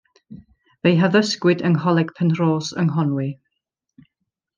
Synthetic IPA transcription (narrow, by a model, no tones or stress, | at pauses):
vejɦavəskwɪdəŋɔlˠɛɡ̥pʰənroːsə̰ŋɦɔnwi